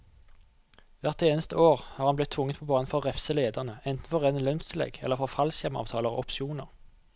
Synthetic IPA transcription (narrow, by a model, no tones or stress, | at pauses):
ʋæʁt̪eːnəst̪əoːʁhɑːʁhɑnblɪt̪ʰːʋʊŋːət̪pʰoːbɑːnənfɔʁʁɛfsəleːd̪əʁnəɛnt̪n̩fɔʁeːnəlœnst̪ʰɪlɛ̰ɡɛ̰ləʁfɔʁfɑlsjɛmɑ̰ːʋt̪ʰɑːləʁɔ̰ʔɔpʃɪuːnəʁ